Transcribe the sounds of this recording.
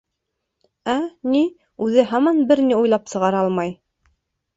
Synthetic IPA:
æni | ʉðɘɦɑmɑnbɘɾniujlˠɑpsɤ̆ʁɑɾɑlˠmɑj

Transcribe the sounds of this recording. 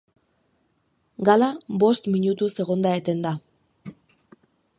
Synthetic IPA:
ɡalabo̞st̪miɲut̪use̞ɣo̞nd̪aet̪e̞nd̪a

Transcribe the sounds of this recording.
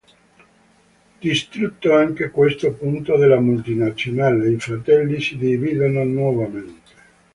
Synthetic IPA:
d̪̥ist̪ɾut̪ːoaŋkekwest̪opunt̪od̪elamult̪inat̪sːjonaleifɾat̪ɛlːisid̪iviːd̪ononwɔvament̪e̥

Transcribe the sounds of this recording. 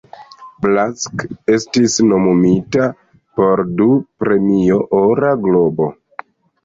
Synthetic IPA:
blaske̞stisno̞mumita | po̞ɾdupɾe̞mijo̞ʔoɾaɡlo̞bo̞

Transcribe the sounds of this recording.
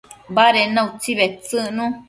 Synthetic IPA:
baɾenãut͡siβet͡sɨnũ

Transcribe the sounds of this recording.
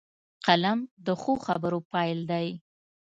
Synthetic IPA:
qalamd̪əxoxa̰bəɾopɑjld̪aj

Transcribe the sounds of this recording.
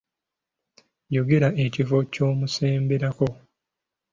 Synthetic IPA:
jo̞ɡe̞ɾae̞civo̞co̞ːmuse̞ːmbeɾako̞

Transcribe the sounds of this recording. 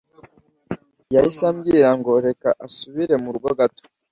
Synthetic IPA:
jaisamɡiɾaŋɡo̞ɾe̞kaʔasuβiɾe̞muɾuɡoɡato̥

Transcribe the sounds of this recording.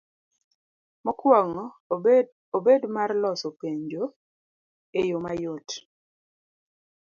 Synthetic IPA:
mɔkwɔŋɔ | obedmarlɔsɔpeɲd͡ʒo | ejomajot

